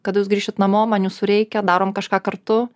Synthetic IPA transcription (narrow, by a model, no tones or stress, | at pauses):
kɐt̪juːsɡɾʲiːʃʲɪt̪nɐmoːmɑːnʲjuːsʊɾʲɛɪkʲɛd̪ɑːɾoːmkɐʃkɑːkɐɾt̪ʊ